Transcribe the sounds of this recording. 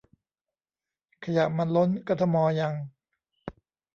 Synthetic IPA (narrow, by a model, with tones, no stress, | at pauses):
kʰa˧ja˨˩ʔma˧nlo˦˥nkɔː˧t̪ʰa˧mɔː˧ja˧ŋ